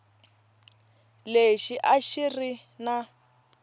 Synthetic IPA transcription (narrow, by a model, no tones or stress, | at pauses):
leʃiʔaʃirina